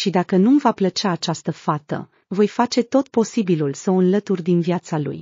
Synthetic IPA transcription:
ʃid̪akənumvaplət͡ʃaːt͡ʃast̪əfat̪ə̰ | vo̞jfat͡ʃe̞t̪o̞t̪̚po̞sibilulsəoɨnlət̪urʲd̪inviat̪salṵj

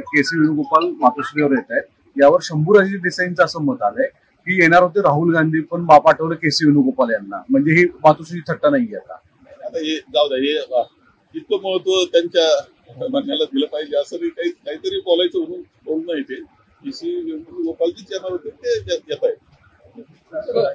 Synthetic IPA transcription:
kesiːʋinuɡopalmat̪uɕɾeʋəɾjet̪aet̪̚ | jaʋəɾɕəmbuːɾəɕiɖisaint͡səəsəːmət̪ale | kiːjeɽ̃aɾɦot̪eɾaɦulɡand̪ʱiːpəɳbapaʈʰəʋləkesiʋinuɡopaljanːa̰m̤əɳd͡zeɦiːmat̪uɕit̪ʰəʈːanaɦijɛt̪a̰ | at̪ajed͡zaʋd̪ajeʋa | it̪ːəməɭət̪ʋət̪jaɲt͡ɕja | mənjalad̪iləpaɦileəsəɾikaɦiːkaɦiːt̪əɾiːbɔlajt͡səənu | boɽunaɦit̪e | kesiʋinuuɡopalt̪it͡sjenaɾɦot̪et̪ejejɛt̪ae

